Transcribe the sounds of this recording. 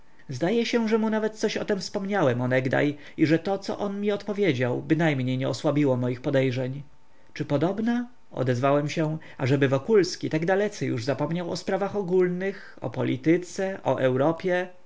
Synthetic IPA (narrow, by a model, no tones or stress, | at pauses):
zd̪ajɛɕɛʐɛmunavɛt̪̚t̪sɔɕɔt̪ɛmfspɔmɲawɛmɔnɛɡd̪a̰j | iʐɛt̪ɔt̪sɔ̰ʔɔnmʲiɔt̪pɔvʲjed͡ʑawbɘnajmɲejɲɛɔswabʲiwɔmɔjixpɔd̪ɛjʐɛɲ | t͡ʂɘpɔd̪ɔbna | ɔ̰d̪ɛzvawɛmɕɛ | aʐɛbɘvɔkulskʲit̪aɡd̪alɛt̪sɛjuʐzapɔmɲawɔspɾavaxɔɡulnɘx | ɔ̰pɔlʲḭt̪ɘt̪sɛʔɔ̰ʔɛwɾɔpʲjɛ